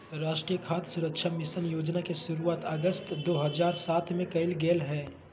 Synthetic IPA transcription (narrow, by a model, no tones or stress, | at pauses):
ɾaːʃʈɾijəkʰaːt̪sʊɾəkʃʰamɪsənjoːd͡ʒnakeʃʊɾuaːt̪əɡəst̪d̪oːɦɐzaːɾsaːt̪mẽkɐɪlɡeːlɦɛː